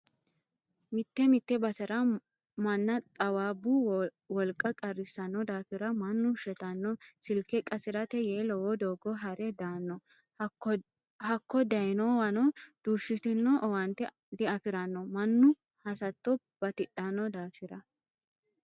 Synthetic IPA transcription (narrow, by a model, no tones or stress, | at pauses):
mɪt̪ːɛmɪt̪ːɛbɐsɛɾɐ | mɐnːɐt̪ʼɐwaːbːu | wɔlkʼːɐkʼɐrɪsːɐnːɔd̪aːfɪɾɐmɐnːʊʃɛt̪ɐnːɔsɪlkɛkʼɐsɪɾɐt̪ɛjeːlɔwɔd̪oːɡɔɦɐɾɛd̪aːnːɔ | hɐkːɔd̪ɐjnɔwɐnɔd̪̥uːʃːɪt̪ɪnːɔʔɔwɐnt̪ːɛ | d̪ɪɐfɪɾɐnːɔmɐnːʊ | hɐsɐt̪ːɔ | b̥ɐt̪ɪtːɐnːɔd̪aːfɪɾɐ